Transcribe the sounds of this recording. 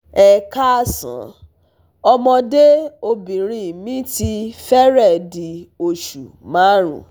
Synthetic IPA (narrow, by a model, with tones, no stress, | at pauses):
ɛ˨ka˦sã̰˨˦ | ɔ˧mɔ̃˧de˦o˧bĩ˨ɾ̃ĩ˧˨mĩ˦ti˧fɛ˦ɾɛ˦˨di˨o˧ʃu˨ | mãː˨˦ɾ̃ṵ̃˨